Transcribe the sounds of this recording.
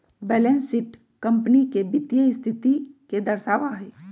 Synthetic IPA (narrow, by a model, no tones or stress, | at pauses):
bɛːlɛnsɪʈ | kɐ̃mpənikebɪt̪jəɪst̪ʰɪt̪iked̪ɐɾsaːʋaɦɛː